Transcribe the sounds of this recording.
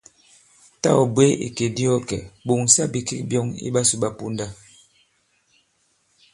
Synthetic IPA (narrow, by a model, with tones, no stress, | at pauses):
ta̰˦˨ɔ˨bwe˦ḭ˨ke˨di˦ɔ˦kɛ̰˨bo˨ŋsa˦bi˨ki˦k̚bjɔ˦ŋḭ˦ɓa˦su˨ɓa˦pu˦nda˦